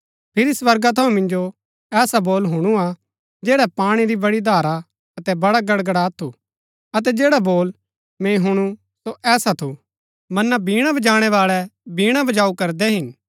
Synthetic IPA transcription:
pʰɪɾisʋɐɾɡat̪ʰɐũmɪ̃nd͡ʒo | ɛːsaboːlɦʊɽ̃ua | d͡ʒeːɽɛpaːɽ̃iɾibɐɽid̪ʱaːɾa | ɐt̪ɛbɐɽaɡɐɽɡəɽat̪ʰːu | ɐt̪̬ɛd͡ʒeːɽaboːl | mẽɦʊɽ̃u | soʔɛːsat̪ʰu | mɐnːabʱiːɽ̃abɐd͡ʒaːɽ̃ɛʋaːɭɛbiːɽ̃abɐd͡ʒaːukɐɾd̪ɛɦɪn

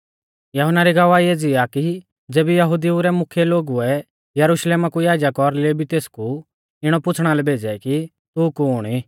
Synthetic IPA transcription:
jɐɦənaɾiɡɐʋaiɛd͡zɪjaki | d͡zeːbɛjɐɦʊd̪iuɾɛmʊkʰjɛloːɡuɛ | jɐɾʊʃleːmakujaːd͡ʒjakɔɾlebʱit̪eːsku | ɪɽ̃ɔpʊt͡sʰɽ̃alɛbʱeːd͡zɛki | t̪ukuʊɽ̃i

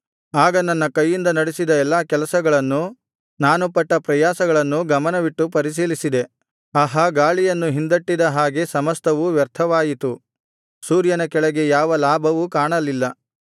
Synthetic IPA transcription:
aːɡɐnɐnːɐkɐjːind̪ɐnɐɽesid̪ɐɛlːaːkɛlɐsɐɡɐɭɐnːu | naːnupɐʈːɐpɾɐjaːsɐɡɐɭɐnːuɡɐmɐnɐʋiʈːupɐɾis̬iːlisid̪e̞ | ɐɦɐɡaːɭijɐnːuɦind̪ɐʈːid̪ɐɦaːɡe̞sɐmɐst̪ʰɐʋuʋjɐɾt̪ʰɐʋaːjit̪u | suːɾjɐnɐkɛɭɐɡe̞jaːʋɐlaːbʱɐʋukaːɳɐlːilːɐ

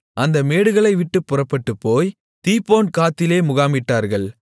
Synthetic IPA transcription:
ʔɐnd̪ɐmeːɽɯɣɐɭɐɪʋɪʈːɯpːʊrɐpːɐʈːɯpːoːj | t̪iːpːoːnkaːt̪ːɪleːmʊɣaːmɪʈːaːɾɣɐɭ

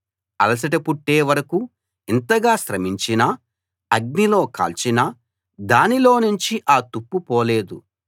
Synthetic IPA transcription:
ɐ̰lɐs̬ɐʈɐpuʈːeːʋɐɾɐku | int̪ɐɡaːʃɾɐmiɲt͡ʃinɐ | ɐɡ̚nilo̞ːka̰ːlt͡ʃinɐ | d̪aːnilo̞ːnuɲt͡ʃiʔaːt̪upːupɔːleːd̪u

